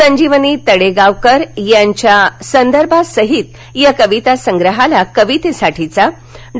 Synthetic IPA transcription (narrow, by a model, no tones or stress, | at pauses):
əɲd͡ʑiʋənit̪əɽeɡaʋkəɾjãɲt͡ɕjasənd̪əɾbʱasəɦit̪ | jakəʋit̪asəŋɡɾəɦalakəʋit̪esaʈʰit͡sa | ɖ